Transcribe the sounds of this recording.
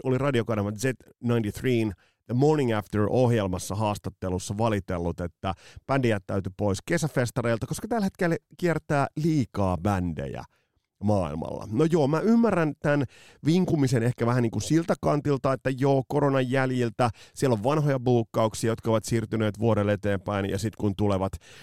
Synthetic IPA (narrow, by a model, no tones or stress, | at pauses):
olirɑdiokɑnɑʋɑzet̪ | nɑint̪iθriːn | ðəmorniŋæft̪əɹʔohjelmɑsːɑɦɑːst̪ɑt̪ːelusːɑʋɑlit̪elːut̪et̪ːæb̥ændiæt̪tːæyt̪ypoiske̞sæfest̪ɑreilt̪ɑko̞skɑt̪ælhet̪kelkiert̪æːliːkɑːbændḛjæ̰ | mɑːḭlmɑ̰lːɑ̰nojoːmæymːærːænt̪æn | ʋiŋkumisenehkæʋæhæniːŋkunsilt̪ækɑnt̪ilt̪ɑet̪ːæjoːkoɾonɑjːæljilt̪æsielːoʋʋɑnɦojɑbuːkːɑuksiɑjot̪kɑoʋɑt̪siːrt̪yneːt̪ʋuoɾelet̪eːmpæinjɑ̰sit̪kunt̪uleʋɑt̪